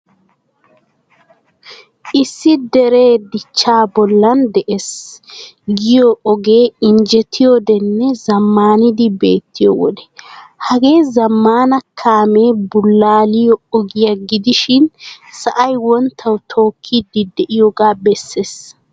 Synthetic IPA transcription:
ʔɪsːɪd̪ɛɾe̞ːd̪ɪt͡ʃːaːbɔlːɐnd̪ɛʔes | ɡɪjoʔɔɡe̞ːɪnd͡ʒɛt̪ʰːɪjod̪ɛnːɛzɐmːaːnɪd̪ɪbe̞ːt̪ːɪjɔ̰wɔ̰d̪ɛ̥hɐɡe̞ːzɐmːaːnɐkʰaːme̞ːbʊlːaːlɪjɔɔɡɪjɐɡɪd̪ɪʃɪnsɐʔɐjwɔnt̪ʰːɐwt̪ʰo̞ːkʰːid̪ɪd̪ɛʔɪjoɡaːbɛsːeːs

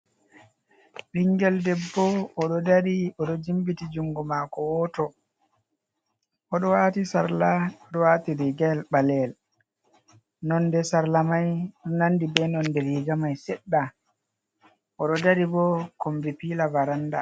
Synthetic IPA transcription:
ɗiŋɡɛldɛbːɔːɗɔdaɾiɔɗɔd͡ʒimbitid͡ʒuŋɡɔmaːkɔwɔtɔ | ʔɔɗɔwatisaɾlaɔɗɔwaːtiɾiɡɛlɓalɛl | nɔndɛsaɾlamajnandibɛnɔndɛɾiɡamajsɛɗːa | ʔɔɗɔdaɾibɔkombipiːlavaɾanda

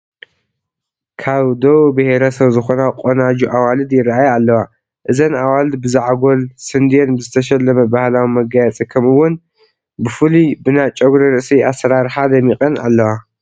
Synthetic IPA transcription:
kʰaβd̪owbɨheɾɐsɐβzɨxo̞nakʼonad͡ʒuʔawalɨd̪jɪraajalːɐwa | ʔɨzɐnawald̪bɨzaʕɡo̞lsɨnd̪ijenbɨzɨt̪ʰɐʃ̬ɛlːɐmɐbahlawimɐɡajɛt͡sʼikʰɐmɨwːʊn | bɨfɨlibɨnat͡ʃʼɐɡuɾɐɾɨʔsiasːɐɾaɾħad̪ɐmikʼɐna̰lːɐwa

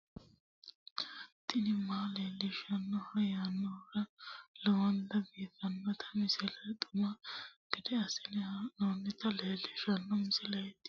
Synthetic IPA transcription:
t̪ɪnɪmaːleːlːɪʃɐnːɔhɐjaːnːɔɾɐlɔwɐnd̪ɐbiːt̪ːɐnːɔt̪ʰɐ̥mɪsɪlɐt̪ʼʊmɐɡ̥ɛd̪ɛɐsɪnɛnoːnːɪt̪ɐleːlːɪʃɐnːɔmɪsɪlɐjɛt̪ːɪ̥

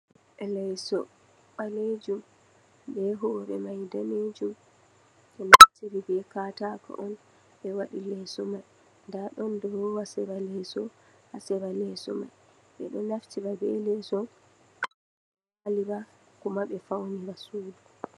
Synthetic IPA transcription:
ʔɛlɛjsɔ | ɓaled͡ʒum | bɛɦɔɓɛmajdaned͡ʒum | ɓɛnaftiɾibɛkatakɔ̰ʔɔn | ɓɛwaɗilɛsɔmaj | ndaɗɔndɔwasɛbalɛsɔhasɛbalɛsɔ̰ma̰j | ɓɛ̰ɗɔnaftibabɛ̰lɛsɔ | ʔaliba | kumaɓɛfawnibasuːdu

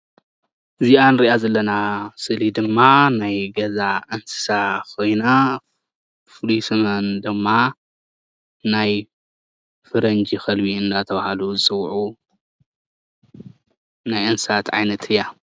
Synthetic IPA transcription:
ʔɨziʔanɾiʔazɐlːɐnasɨlid̪ɨmːanajɡɐzaʔɐnsɨ̥sakojna | fɨlusɨmɐnd̪ɨmːa | naj | fɨɾɐnd͡ʒixɐlbiɨnd̪at̪ʰɐβahaluzɨsʼɨwʕu | najʔɐnsɨsat̪ʕa̰jnɐt̪ʰɨjːa

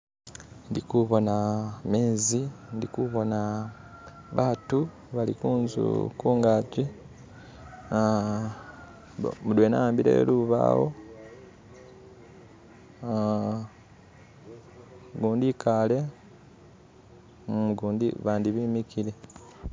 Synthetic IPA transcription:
ndikuβo̞nameːzindikuβo̞na | βaːtu | βalikuːnzṵkuːŋɡaːci | mudwenaaːmbiɾḛːluβa̰ːwo̞̰ | ɡuːndikʰale̞ | ɡuːndiβaːndiβiːmikile

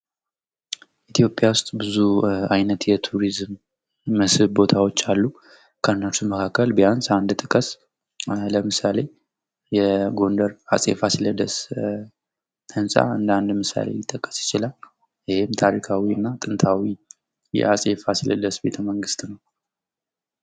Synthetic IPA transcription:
ʔit̪ʰijo̞pʼjawʊst̪ʼbɨzuajnət̪jɛt̪ʰuɾizmː | əsɨβbo̞t̪ʰawo̞t͡ʃːalːu | kʰəɨnːət͡ʃːuməkʰakːəlbəjansʼand̪t̪ʼɨkʼəs | ləmɨsale̞ | jɛɡo̞nd̪əɾa̰sʼḛfasiləd̪əs | t̪ʰənsʼa̰ɨnd̪and̪mɨsa̰lḛjːɪt̪ʼːəkʼːə̥sjɪt͡ʃɪlal | jɪhɪmt̪ʰaɾikʰawiɨnːat̪ʼɨnt̪ʰawi | jɛ̰asʼefasilə̰d̪əsbe̞t̪ʰəməŋɡɨst̪nəw

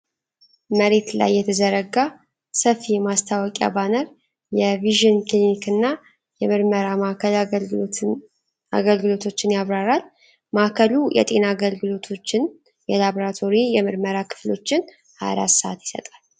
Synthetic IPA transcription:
məɾe̞t̪la̰jːɛt̪ʰəzəɾəɡa | səfːimast̪ʰawɔkʼja̰banəɾ | jɛviʒɨnklimikɨnːa | jɛmɨɾməɾamakəl | a̰ɡəlɡɨlo̞t̪ʰo̞t͡ʃːɪnjaβɾaɾal | makʰəlujʔɛ̰t̪ʼe̞naɡəlɡɨlo̞t̪ʰot͡ʃːɪn | jɛlaboɾat̪ʰo̞ɾijɛmɨɾməɾakʰɨ̥flo̞̰t͡ʃːɪn | ha̰ɾa̰səat̪jɪ̥sə̰t̪ʼal

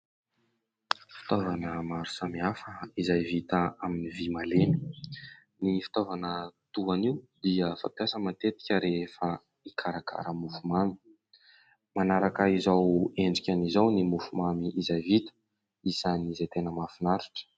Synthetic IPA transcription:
fi̥t̪ovanəmaɾu̥samiafəizajvit̪əaminivimaleni | nifi̥t̪ovanət̪uaniwd̪iəfa̰mpjasəmant̪et̪i̥kʲəɾefə | ikʰaɾakʰa̰ɾəmufumami̥ | manaɾakaizaweɳɖ͡ʐikʲanizawnimufumamiʔizajvit̪ə̥ | izanizajt̪enəmafinaɾiʈ͡ʂə̥

